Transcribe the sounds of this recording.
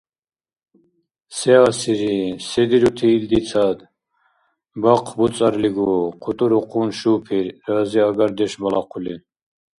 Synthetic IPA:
sɛasiɾisɛd̪iɾut̪ʰiːld̪it͡sʰad̪ | baqʰbut͡sʼaɾliɡuqʰut̪ʼuɾuqʰunʃupʰiɾːaziaɡaɾd̪ɛʃbalaqʰuli

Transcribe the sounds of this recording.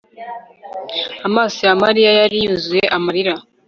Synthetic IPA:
amaːsijamaɾijajaɾijuzuje̞ʔamaɾiɾa

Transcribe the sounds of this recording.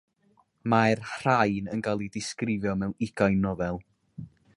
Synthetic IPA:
marhrajnənɡalˠidɪskrɪvjɔmɛwɪɡ̥ajnɔvɛlˠ

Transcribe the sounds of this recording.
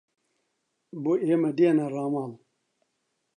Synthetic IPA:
boemadianaɾamam

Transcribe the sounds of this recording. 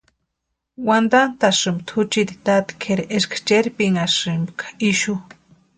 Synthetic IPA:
wand̪ant̪aʂɨmbt̪ʰut͡ʃid̪it̪at̪i̥kʰeɾeʔeʃkʰḁt͡ʃeɾipiŋaʂɨmbkʰḁiʃu

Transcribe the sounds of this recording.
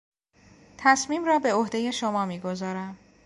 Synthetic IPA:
t̪ʰæsmiːmrɒːbe̞ohd̪e̞je̞ʃomɒːmiːɡo̞zɒːɾæm

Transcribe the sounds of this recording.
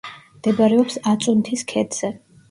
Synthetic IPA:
md̪̥ɛbaɾɛɔpsat̪sʼunt̪ʰiskʰɛd̪z̥ɛ

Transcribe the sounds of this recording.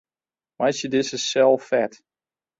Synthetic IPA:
majsjədɪsəsɛlˠfɛt

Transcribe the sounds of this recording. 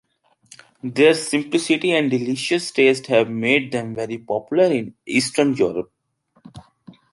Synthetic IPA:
d̪eːɾsɪ̃mplɪsɪʈiɛ̃ɳɖɖɪliʃəsʈeːsʈhæʋmeːɖ̚d̪ɛ̃mʋɛɾipɔpjʊləɾɪ̃niːsʈənjuːɾəp̚

